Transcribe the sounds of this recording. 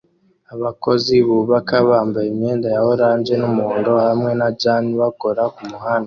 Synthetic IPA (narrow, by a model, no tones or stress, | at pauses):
aβako̞ziβuβakaβaːmbaemɲe̞ːndajahoɾaːnzenumoːndo̞hamŋe̞naɟaːniβako̞ɾakumuhana